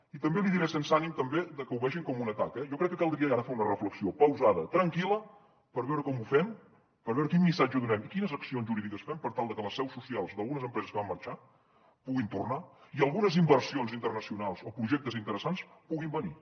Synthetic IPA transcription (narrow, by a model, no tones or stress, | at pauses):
it̪əmbeliðiɾɛsens̬animt̪əmbed̪əkəuβɛʒiŋkɔmunət̪akɛʒɔkɾɛkːəkalˠd̪ɾiəɣaɾəfeunərəfləksiopəwzaðət̪ɾəŋkilə | pəɾβɛwɾəkɔmufɛm | pəɾβɛwɾəkinmisad͡ʒəðunɛmikinəzəksionzʒuɾiðikəsfɛmpəɾt̪alˠd̪əkələsɛwsːusialˠzd̪əlˠɣunəzəmpɾɛzəskəβamːəɾt͡ʃa | puɣint̪urnaiəlˠɣunəzimbərsionzint̪ərnəsiunalˠzopɾuʒɛk̚t̪əzint̪əɾəsanspuɣimbəni